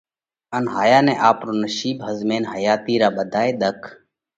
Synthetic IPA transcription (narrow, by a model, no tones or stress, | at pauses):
ənɦaːjaːnẽːʔaːpɾoːnəʃiːbɦəzmeːnɦəjaːt̪iːɾaːɓəd̪ʱaːeːɗ̪əkʰ